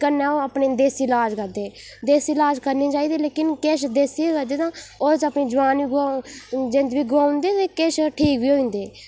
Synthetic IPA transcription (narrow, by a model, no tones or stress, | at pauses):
kənːɛ̃ːoːəpneːd̪eːsiːlaːd͡ʒkəɾd̪eːd̪eːsilaːd͡ʒkəɾniːt͡ʃaːiːd̪iːleːkɪnkeːʃd̪eːsiːkəɾd̪eːt̪ãːoːt͡ʃəpniːd͡ʒəʋaːnʋiːɡ | d͡ʒẽnd̪ʋiːɡʊaːʊ̃nd̪eːt̪eːkeːʃʈʰiːkbiːɦoːĩːnd̪eː